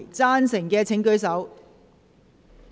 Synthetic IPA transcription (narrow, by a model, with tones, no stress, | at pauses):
jt͡saː˥nsɪ˨˩ŋkɛː˧t͡sʰɪ˨˥ŋkɵ˨˥ɥs̬ɐ˨˥w